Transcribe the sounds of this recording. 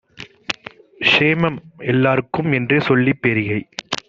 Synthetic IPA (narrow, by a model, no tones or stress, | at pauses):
ʂeːmɐmɛlːaːɾɯkːɯmɛndreːsɔlːipːɛɾɪɣɐɪ